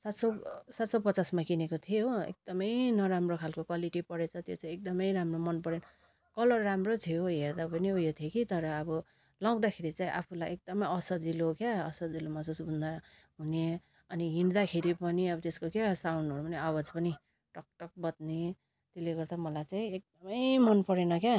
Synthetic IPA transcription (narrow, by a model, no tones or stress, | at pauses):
sat̪sʌsat̪sʌpʌt͡sasmakinekot̪ʰijoḛk̚d̪̥ʌmʌjnʌɾamrokʰalkokwaliʈipʌɽet͡sʰʌt̪jot͡saĩek̚d̪ʌmʌjɾamromʌnpʌɽenʌ | kʌlʌrːamrot̪ʰijoɦeɾd̪apʌniojot̪ʰiekit̪ʌɾʌːbʌ | law̃d̪akʰeɾit͡saĩʔa̰pʰulajek̚d̪ʌmʌjʌsʌd͡zilokjaʌsʌd͡zilomasusbʱund̪a | ɦune | ʌniɦiɳd̪akʰeɾipʌniʌbʌt̪eskokjasawnɖʌɾupʌniawʌd͡zpʌni | ʈʌk̚ʈʌk̚bʌt̪̚ne | t̪eleɡʌɾt̪amʌlajt͡saĩek̚d̪ʌmʌjmʌnpʌɾenʌkja